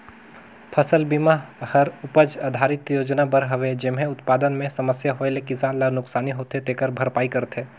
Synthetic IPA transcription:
pʰɐsəlbimahɐɾʊpəd͡ʒad̪ʱaːɾɪt̪joːd͡ʒnabəɾɦɐʋed͡ʒɪmɦẽʊt̪paːd̪ənmẽsɐməsjaɦoːelekɪsaːnlanʊksaːniɦoːt̪et̪ekəɾbʱɐɾpaːikɐɾt̪ʰeː

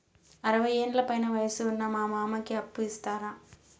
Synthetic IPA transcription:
ɐɾɐʋɐeːnlɐpɐjnɐʋɐjɐsɯʊnːɐmaːmaːmɐkːiɐpːɯɪst̪aːɾãː

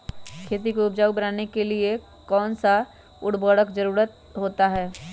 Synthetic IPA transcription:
kʰeːt̪̬ikoʊpd͡ʒaːubɐnaːnekelie | kɔːnsa | ʊɽbɔːɽəkd͡ʒɐɾuːɾət̪̚ | ɦoːt̪aɦɛː

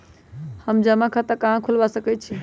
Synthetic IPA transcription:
həmd͡ʒəmakʰãt̪əkaɦãkʰulbasəkɛt̪̚t͡ʃʰi

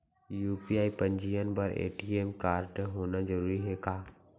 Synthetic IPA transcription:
juːpiaːipə̃ɲd͡ʒijənbɐɾḛːʈieːmkaːɾɖɦoːnad͡ʒəɾuːɾiɦɛkaː

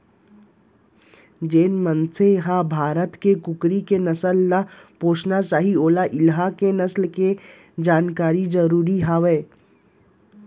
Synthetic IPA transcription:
d͡ʒeːnmənseɦabʱaːɾət̪kekʊkɾikenɐsəlnapoːt͡ʃnasaːɦioːlaʔɪlɦakenɐslke | d͡ʒaːnkaːɾid͡ʒɐɾuːɾiɦaʋeː

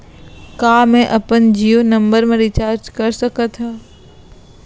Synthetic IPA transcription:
kaːmẽʔɐpənd͡ʒijonɐ̃mbəɾmẽɾɪt͡ʃaːɾd͡ʒkɐɾsəkət̪ʰɦaː

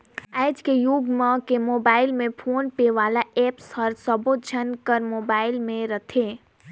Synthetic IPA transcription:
ɛːd͡ʒkejʊɡmə̃kemoːbaːɪlmẽpʰoːnpeʋaːlaɛːpsɐəɾsəbod͡ʒʱɐnkəɾmoːbaːɪlmẽɾɐt̪ʰeː

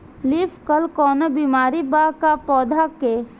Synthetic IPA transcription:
liːfkɐlkɔːnəbiːmaːɾibakapɔːd̪ʱake

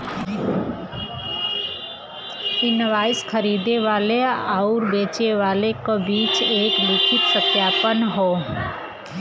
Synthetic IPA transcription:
pɪnʋaːɪskʰəɾiːd̪eʋaːleaʊɾbeːt͡ʃeʋaːlekobiːt͡ʃeːklɪkʰɪt̪səkjaːpənɦoː

